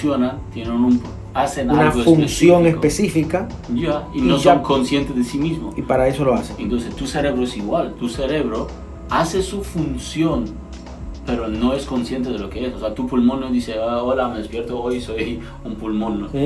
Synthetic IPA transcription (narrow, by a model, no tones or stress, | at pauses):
sjonat̪jenenump | asenuanaɣofunsjoŋespesifika | jainosoŋkonsjent̪ezðesimizmoipaɾae̞so̞loaseent̪onsest̪useɾeβɾoesiɣwalt̪useɾeβɾo | asesufunsjon | peɾonoeskonsje̞nt̪eðelokeesose̞at̪upulmonod̪iseolameðespjeɾt̪oojsoj | umpulmono